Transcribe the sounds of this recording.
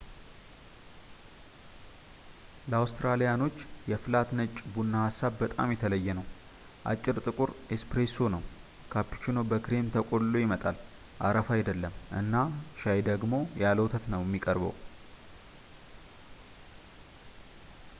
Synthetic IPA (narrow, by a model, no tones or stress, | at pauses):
ləawst̪ɾalijano̞t͡ʃːjɛfɨlat̪nət͡ʃʼːbunːahasːabbət̪ʼa̰mjɛt̪ʰələjːɛnəw | ʔa̰t͡ʃʼːɪɾt̪ʼɨkʼuɾespɾesonəw | kʰapːi̥t͡ʃino̞bəkɨɾe̞mt̪ʰəkʼo̞llojɪmət̪ʼal | ʔaɾəfajd̪əlːəmʔɨ̰nːaʃajd̪əɡmo̞jaləwt̪ʰət̪nəwjɛmːikʼəɾbə̰w